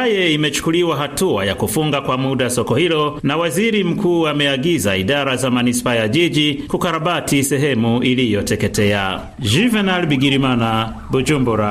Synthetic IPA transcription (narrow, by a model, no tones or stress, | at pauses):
ajɛimɛt͡ʃu̥kuliwaɦatua̰jakufuŋɡakwamuɗasɔkɔhilɔnawaziɾim̩kuːamɛaɡizaiɗaɾazamanispaːjaʄiʄikukaɾaɓatisɛɦɛmuilijɔtɛkɛtɛa̰ | ʒivɛnalbiɡiɾimana | bud͡ʒumbuɾa